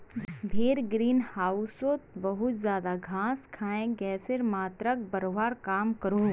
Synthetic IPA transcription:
bʱeːɾɡɾiːnhaːʊsoːt̪bɐɦʊt̪zjaːd̪aɡʱãːskʰaːẽɡɛːseɾmaːt̪ɾək̚bɐɾoːɦaːɾkaːmkɐɾo

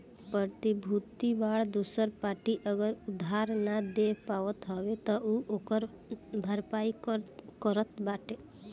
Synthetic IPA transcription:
pət̪ibʱut̪iʋaɭd̪usəɾpaʈiʔəɡəɾud̪ʱɦaɾnad̪epaʋɔt̪ɦɔʋet̪ɔʔuʔokəɾ | bʱəɾpajkkɔɾət̪baʈe

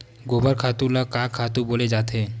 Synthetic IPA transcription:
ɡobəɾkʰat̪ulɔkakʰat̪uboled͡ʒaːt̪ʰe

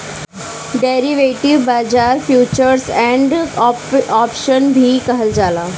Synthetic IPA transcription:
ɖeɾiʋeʈiʋbad͡zaɾfjut͡ɕəɾsɛ̃ɳɖ | ɔpʃənbʱikəɦəld͡zalaː

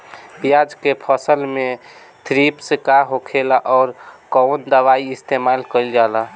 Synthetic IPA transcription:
bijad͡ʒkepʰəsəlmẽ | t̪ʰɾipsekaɦokʰelaʔɔːɾkɔwnd̪əʋaiist̪emalkəld͡ʒala

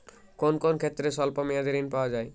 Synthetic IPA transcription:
konkonkʰet̪ːɾeʃɔlpamijad̪eɾinpaoad͡ʑae

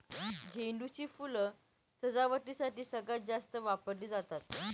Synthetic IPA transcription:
d͡ʑeɳɖut͡ɕiːfulə | səd͡zaʋəʈiːsaʈiːsəɡat̪̚d͡zast̪əʋapəɾliːd͡zat̪at̪

